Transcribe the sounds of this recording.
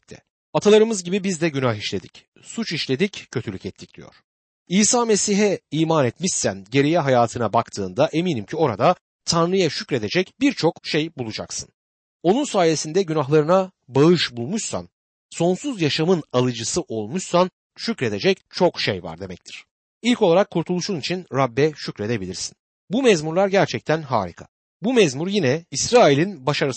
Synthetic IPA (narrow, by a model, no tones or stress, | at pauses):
t̪ʰɛ̰ | at̪ʰalˠaɾɯmɯzɟibibizd̪ɛɟynaɦiʃlʲe̞d̪ic | sut͡ʃiʃlʲe̞d̪iccʰːøt̪ʰylʲycɛt̪ʰːicd̪̥ḭjo̰ɾ̥ | iːsaːme̞siɦɛiːmaːnɛt̪miʃsːænɟe̞ɾijɛɦajaːt̪ʰɯnabakt̪ʰɯːnd̪aʔe̞miːnimcʰio̞ɾad̪a | t̪ʰanɾɯjaʃycɾe̞d̪e̞d͡ʒɛcbiɾt͡ʃʰo̞kʃejbulˠud͡ʒa̰ksɯn | o̞nunsaːje̞sind̪ɛɟynaɦlˠaɾɯna | baɯʃbulˠmuʃsa̰n | so̞nsuzjaʃamɯnalˠɯd͡ʒɯsɯʔo̞lˠmuʃsan | ʃycɾe̞d̪e̞d͡ʒɛct͡ʃʰo̞kʃḛjva̰ɾd̪e̞mɛc̚t̪ʰi̥ɾ̥ | ilʲco̞lˠaɾakʰːuɾt̪ʰulˠuʃunit͡ʃʰinɾabːɛʃycɾe̞d̪e̞bilʲiɾsi̥n | bumɛzmuɾlˠaɾɟæɾt͡ʃʰɛc̚t̪ʰænɦa̰ːɾḭkʰḁ̰ | bumɛzmuɾjinɛisɾaːilʲinbaʃaɾɯ